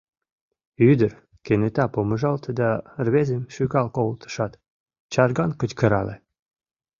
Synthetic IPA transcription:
yd̪ər | kenet̪ɑpoməʒɑlt̪əd̪ɑrβezemʃykɑlkoolt̪ə̥ʃɑt̪ | t͡ɕɑrɡɑnkət͡ɕkə̆ɾɑ̰lḛ

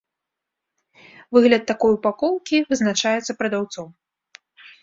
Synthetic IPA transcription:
vɨɣlʲɐt̪ːakɔjupakɔwˠkʲivɨznat͡ʂajɛt̪sɐpɾɐd̪awt̪sɔw

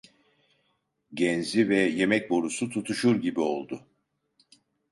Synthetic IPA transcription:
ɟɛnzivɛje̞mɛc̚bo̞ɾusut̪ʰut̪ʰuʃuɾɟibio̞lˠd̪ʊ

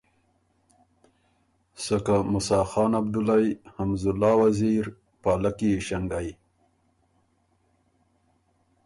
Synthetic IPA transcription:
sakamʊsɑːxɑːnabd̪ʊlajhamzʊlːɑːwaziɾ | pɑːlakiʃaŋɡaj

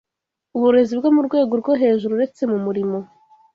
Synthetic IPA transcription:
uβuɾe̞zibɡomuɾɡwe̞ːɡo̞ɾɡoɦe̞ːʒuɾuɾe̞t͡se̞mumuɾimo̞

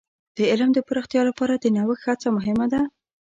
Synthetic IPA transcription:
d̪̥əɪlmd̪əpəɾəxt̪jɑlapɑɾad̪ənawəkhat͡samʊɦɪmad̪a

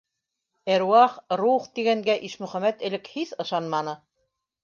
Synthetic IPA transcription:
æɾwɑχruχt̪iɡæŋɡæʔiʃmɵ̆χæmæt̪ɘ̆lɘkhiθɤ̆ʃɑnmɑnɤ

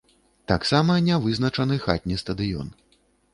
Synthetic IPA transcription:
t̪aksamɐnʲavɨznɐt͡ʂɐnɨxa̰t̪ʲnʲɛst̪ɐd̪ɨjɔ̰n

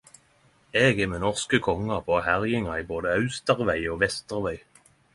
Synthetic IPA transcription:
eːɡeːmeːnɔʁskəkʰɔŋɑpʰoːhæʁjɪŋɑiːboːd̪əɑʉst̪əʁʋæɪoːʋɛst̪əʁʋæɪ

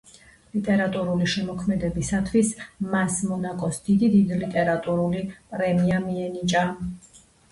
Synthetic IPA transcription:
lit̪ʼɛɾat̪ʼuɾuliʃɛmɔkʰmɛd̪ɛbisat̪ʰwismasmɔnakʼɔsd̪̥id̪id̪id̪lit̪ʼɛɾat̪ʼuɾulipʼɾɛmiamiɛnit͡ʃʼa

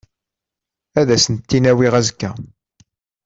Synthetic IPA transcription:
æðæsənt̪ːinæwiʁæzkːæ

